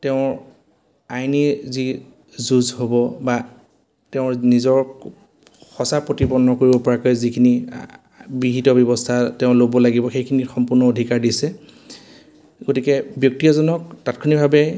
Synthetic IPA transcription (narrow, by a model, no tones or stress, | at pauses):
tɛʊ̃ɹ | ajnizi | zuzɦobɔba | teʊɹnizɔɹ | xɔsapɹotibɔnɔkoɹibɔpɔɹakojzikʰini | bɹiɦitɔbjɔbɔstʰatɛʊ̃lobɔlaɡibɔxejkʰinixɔmpʊɹnɔodʱikaɹdisɛ | ɡotikɛbjɔk̚tiazɔnɔk̚tatkʰɔnibʱabɛ